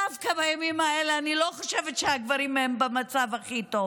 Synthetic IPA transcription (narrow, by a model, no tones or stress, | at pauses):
afkabajamimaeleanilo̞χoʃevetʃeaɡvaɾimembemat͡savaχito